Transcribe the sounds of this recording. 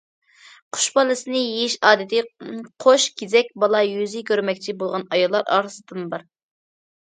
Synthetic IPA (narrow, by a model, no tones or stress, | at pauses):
qʰʊ̥ʃbɑlˠɨsɨnɪjejiʃɑːd̪ɪt̪ʰɪqʰoʃɡʲezɛk̚ʲbɑlˠɑjyzɪkʲøɾmɛkʲt͡ʃʰibolˠʁɑnɑjɑlˠːɑɾɑ̰ːɾɨsɨd̪ɨnbɑɾ